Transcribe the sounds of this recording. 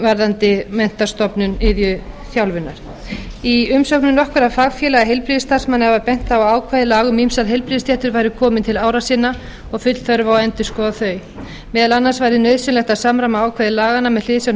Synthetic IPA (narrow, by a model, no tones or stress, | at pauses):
vaɾðant̪ɪmɛn̥t̪ast̪ɔpnʏnɪðjʏθjawlvɪnːaɾ̥ | iʏmsœknʏnɔhkvʏɾaðfaːɣfjɛlaɣaɦejlpɾiðɪst̪ar̥smanːɪɛvapɛn̥t̪aawaːwkʰvajðɪlaːɣʏmimsalɦejlpɾiðɪsjɛht̪ʏɾvajɾʏkʰɔːmɪnt̪ʰɪlaːwɾasɪːna | ɔɣfʏt̪l̥θœɾvawɛnt̪ɪskɔːðaθœːɥ | mɛːðalanːasvajɾɪnœɥðsʏnlɛxt̪aðsaːmɾamaaːwkʰvajðɪlaːɣanamɛðl̥ɪðɪsjawn